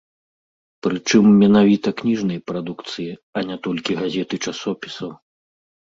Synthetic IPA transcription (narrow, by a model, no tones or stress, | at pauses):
pɾɨt͡ʂɨmːʲɛnavʲit̪ɐknʲiʐnɐjɐpɾad̪ukt̪sɨjiɐnʲat̪ɔlʲkʲiɣazʲɛt̪ɨt͡ʂasɔpʲi̥sɐw